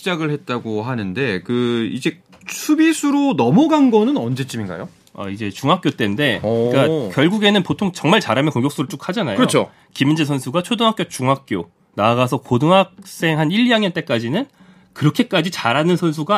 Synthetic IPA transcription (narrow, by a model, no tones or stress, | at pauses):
id͡ʑaɡɯɭhet̚t͈aɡoɦanɯnde̞kɯid͡ʑe̞ | t͡ɕʰubisʰuɾonʌmʌɡanɡʌnɯnʌnd͡ʑe̞t͡ɕ͈iminɡa̰jo | a̰id͡ʑe̞t͡ɕuŋɦak͈̚jot͈e̞nde̞k͈akjʌɭɡuɡe̞nɯnpotʰoŋt͡ɕʌŋmaɭt͡ɕaɾamekoŋɡjʌk̚s͈uɾɯɭt͡ɕ͈ok̚ʰhad͡ʑanajɯɾʌot͡ɕʰo | kimind͡ʑesʰʌnsʰuɡat͡ɕʰodɯŋɦak͈jot͡ɕuŋɦak̚k͈jo | naɡasʰʌkodɯŋɦak̚s͈e̞ŋɦaniʎjaŋjʌnt͈e̞k͈ad͡ʑinɯn | kɯɾʌkʰe̞k͈ad͡ʑit͡ɕaɾanɯnsʰʌnsʰuɡa